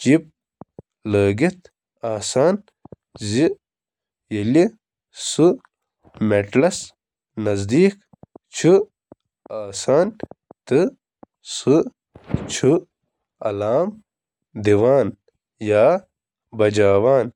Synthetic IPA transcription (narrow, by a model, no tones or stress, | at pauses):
t͡ʃip̚ | ləːɡit̪ | aːsaːn | zi | jɐli | su | meʈlɐs | nɐzd̪iːk | t͡ʃʰu | aːsaːnt̪ɨ | su | t͡ɕʰu | ɐlaːm | d̪iʋaːn | jaː | bɐd͡ʑaːwaːn